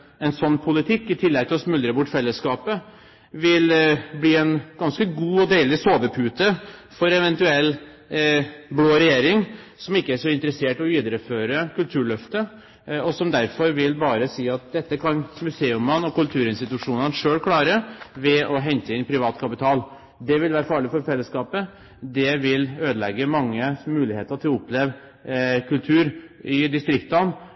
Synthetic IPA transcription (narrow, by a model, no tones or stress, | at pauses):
ɛnsɔnːpʰʊlɪt̪ʰɪkːɪt̪ʰɪlːɛɡt̪ɪɔsmʉlɾəbʊʈːfɛlːəskɑːpə | ʋɪlbliːɛnɡ̥ɑnskəɡuːɔd̪eɪlɪsoːʋəpʰʉːt̪əfɔɾɛʋɛnt̪ʉɛlː | bloːɾɛjeːɾɪŋsɔmɪkːəæʂɔɪnt̪əɾəseːʈɔyːd̪əɾəføːɾəkʉlt̪ʰʉːɭœft̪ə | ɔsɔmd̪æɾfɔɾʋɪlbɑːɾəsiːɑt̪̚d̪ɛt̪ːəkʰɑnmʉseːʉmənɔkʉlt̪ʰʉːɾɪnst̪ɪt̪ʉʂuːnənʂøːlkʰlɑːɾəʋɛɔɦɛɲt̪əɪnpʰɾɪʋɑːt̪kʰɑpɪt̪ʰɑːl | d̪ɛʋɪlʋæːɾəfɑːɭɪfɔɾfɛlːəskɑːpə | d̪ɛʋɪløːd̪əlɛɡːəmɑŋːəmʉːlɪheːt̪əʈʰɪlʊpːleːʋ | kʰʉlt̪ʰʉːɾɪd̪ɪst̪ɾɪkt̪ɑn